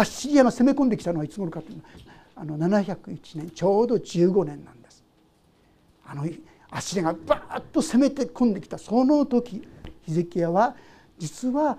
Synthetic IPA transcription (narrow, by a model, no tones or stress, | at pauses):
aɕiɾʲijaŋase̞me̞kõnd̪ekʲi̥t̪anoait͡sɨɡoɾokat̪ːoiɯna | ano̞nanaçʲakɯ̟it͡ɕinẽ̞ɲt͡ɕo̞ːd̪o̞d͡ʑɨːɡo̞nẽ̞nːãnd̪e̞sɨ̥ | ano̞ | aɕiɾʲaɡabat̪ːo̞se̞me̞t̪ekʰõnd̪e̞kʲi̥t̪asono̞t̪o̞kʲiçizekʲijaβa | d͡ʑit͡sɨβa